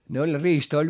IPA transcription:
ne olʲ riːstɑ̆ olʲ

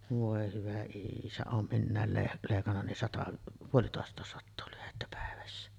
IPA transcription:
ʋoˑe hyʋæ iːsæ oːm minːæˑel leh leˑikɑnːɑ nin sɑtɑ puolitoˑestˑɑˑes sɑtːoː lyhetːæ pæˑeʋæsːæ

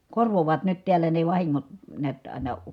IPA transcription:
korʋoʋɑːt nyt tiælːæ ne ʋɑhiŋːot neæt ɑˑi̯nɑ

